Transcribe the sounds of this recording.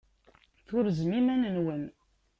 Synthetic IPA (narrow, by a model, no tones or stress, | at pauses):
θʊɾzmimænənwən